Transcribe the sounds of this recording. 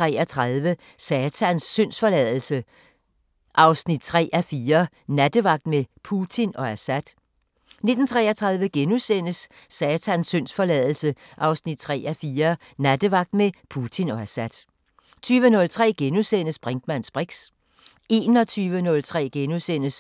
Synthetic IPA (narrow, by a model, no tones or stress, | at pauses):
ʁɛ̰ɐt͡sʰʁɑðˠʋə | sɛːt͡sʰænsːøn̰sfɒ̽lɛðˠl̩sə | ʔɑ̈ʊsnid̥̚t͡sʰʁɛ̰ːʔæfiːɐ | næd̥əʋɑ̈ɡ̥̚d̥mepʰut͡sʰinɒ̽æsæd̥ | ne̝d̥n̩t͡sʰʁɛ̰ːɐt͡sʰʁɑ̈ðˠʋəɡ̥enusen̰əsː | ɛːt͡sʰænsːøn̰sfɒ̽lɛðˠl̩səʔɑ̈ʊsnid̥̚t͡sʰʁɛ̰ːæfiːɐ | næd̥əʋɑ̈ɡ̥d̥mepʰut͡sʰinɒ̽æsæd̥ | t͡sʰyːʋənɔ̽lt͡sʰʁɛ̰ːɡ̥enusen̰əsb̥ʁɛŋd̥mæn̰sb̥ʁeɡ̥s | ʔe̝ːnɒt͡sʰyːʋənɔ̽lt͡sʰʁɛ̰ːɡ̥enusen̰əs